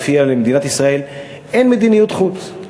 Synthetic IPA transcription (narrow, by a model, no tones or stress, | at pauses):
fialemed̪inat̪isʁae̞l | ʔenmed̪inijut̪χut͡s